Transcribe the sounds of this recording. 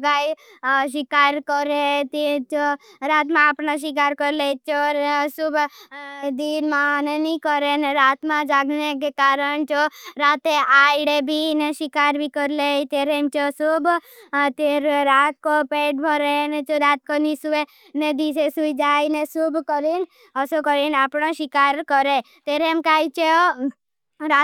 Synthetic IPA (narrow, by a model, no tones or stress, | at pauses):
ɡaj | ʃɪkaːɾkɔɾet̪et͡ʃoɾaːt̪mãːpnaʃ̬ik̬aːɾkɔɾlet͡ʃosub | d̪inmãnenikɔɾeneɾat̪mãd͡ʒaɡnekekaːɾəɳt͡ʃoɾat̪eajɽebʱineʃikaɾbʱikəɾlet̪eɾemt͡ʃosubt̪eɾɾat̪̚kopeʈ̚bʱɔɾenet͡ʃoɾat̪̚konisuʋe | ned̪isesuid͡ʒajnesubkəɾin | əsokəɾinapɳ̃oʃikaɾkɔɾe | t̪eɾmkajt͡ʃeo | ɾa